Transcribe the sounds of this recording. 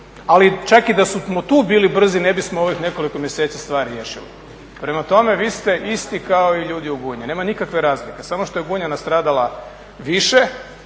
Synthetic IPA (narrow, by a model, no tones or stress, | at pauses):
alit͡ʃakid̪asumot̪uːbiːlibr̩zine̞bismoo̞ʋixne̞ko̞likomje̞set̪sist̪ʋaːɾɾjeːʃilḭ | pɾe̞mat̪o̞me̞ʋiːst̪e̞ʔist̪ikao̞iʎuːd̪iuɡuːɲine̞ːmanikakʋe̞ɾaːzlike̞samo̞ʃt̪o̞jeɡuːɲanast̪ɾaːd̪alˠa | ʋiʃe